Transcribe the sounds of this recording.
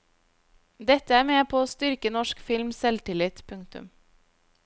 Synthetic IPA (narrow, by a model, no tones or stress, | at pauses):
d̪ɛt̪əæːmeːpʰoːoːst̪ʏɾkənɔʃkfɪlmsɛlt̪ɪlɪt̪pʰʉŋt̪ʉ̰m